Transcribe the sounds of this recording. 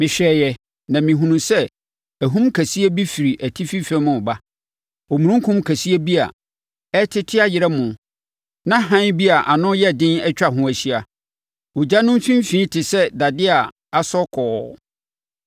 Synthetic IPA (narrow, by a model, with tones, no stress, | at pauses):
mɪ̃˨ɕᶣɛː˨jɛ˨ | nã˨mĩ˨ɦũ˨nũ˨sɛ˦ | æ˨ɦũ˦mkʰæ˨si˦ɛ˦bi˦fi˨ɾi˨ʔæ˨tʰi˦fi˦fɛ̃˦mʊ̃˨ba˦ | o˨mũ˨ɾũ˦ŋ˦kʰʊ̃˦mkʰæ˨si˦æ˦bi˦a̰˨ | ɛ˦tʰɪ˦tʰɪ˦a˦jɪ˨ɾɛ˦mʊ̃˨ | nã˦ɦã˦n˦bi˦a˨ʔa˨nʊ̃˦jɛ˦dɪ̃˦nɛ˦t͡ɕᶣa˨ɦʊ̃˦æ˨ɕi˦a˨ | ʊ˨d͡ʑa˦nʊ̃˦m˦sĩ˦m˦fĩː˦tʰɪ˨sɛ˦da˨dɪ˦a˨ | a˨sɔ˦kʰɔː˨˦